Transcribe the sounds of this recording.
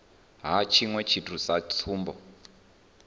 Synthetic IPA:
ɦat͡ʃʰiŋwɛt͡ʃʰitʰusat͡sʰuːmbɔ̰

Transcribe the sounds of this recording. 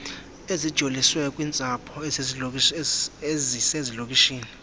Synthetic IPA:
ezid̥ʒ̥ʱoliswɛkʼwiːnt͡sʼapʰɔ | ezisezilok̬ʼiʃiːni

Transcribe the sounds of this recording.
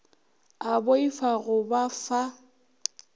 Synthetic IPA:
aboifaɣʊbafa

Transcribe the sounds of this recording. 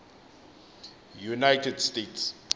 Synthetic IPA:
junajtɛdstets

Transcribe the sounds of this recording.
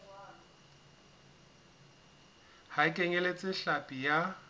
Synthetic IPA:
haɪkʼeɲelet͡sʼɪɬapʼija

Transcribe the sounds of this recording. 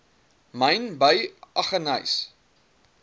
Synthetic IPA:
mɐjnbəjʔɐχənɐ̰js

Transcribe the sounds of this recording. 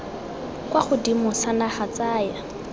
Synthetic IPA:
kwaχʊdimʊsanaχat͡saːja

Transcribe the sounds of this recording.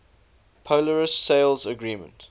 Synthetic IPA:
pʰoʊləɹəsːeɪlˠzəɡɹiːmə̰̃nt

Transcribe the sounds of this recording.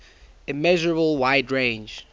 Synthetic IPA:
ɨmɛʒəɹəbəl̩ˠwaɪdɹẽɪ̃nd͡ʒ

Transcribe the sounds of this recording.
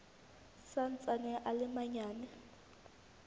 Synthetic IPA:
sant͡sʼanɛʔalɪmaɲaːnɛ

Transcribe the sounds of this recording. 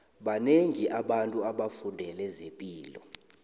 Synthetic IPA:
ɓaneŋiʔaɓantʼuaɓafundʱɛlɛzepʼiːlɔ̰

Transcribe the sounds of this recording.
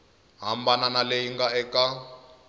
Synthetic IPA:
ɦambananaleɦiŋɡaɛka

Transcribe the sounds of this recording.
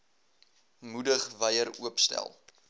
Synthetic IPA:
mudəχvəjəɾuəpstæ̰lˠ

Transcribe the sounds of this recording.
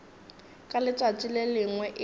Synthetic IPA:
kʼalɪt͡sʼatʼilelɪŋwɛʔɪ

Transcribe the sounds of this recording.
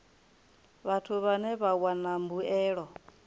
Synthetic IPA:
βatʰuβanɛβawanambuɛːɺɔ

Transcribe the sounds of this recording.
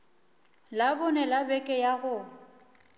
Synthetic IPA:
labʊnɛlabɛkʼɛjaɣʊ

